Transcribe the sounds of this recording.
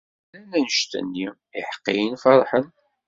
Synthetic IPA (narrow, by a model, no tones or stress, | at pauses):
lænænəʃt̪ə̰nːi | ɪħə̥qːḭjənfɑɾˤħən